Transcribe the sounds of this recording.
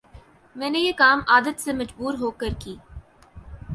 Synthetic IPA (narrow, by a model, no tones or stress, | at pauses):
mɛ̃ːnejekaːmaːd̪ət̪semɐd͡ʒbuːɾɦoːkɐɾkiː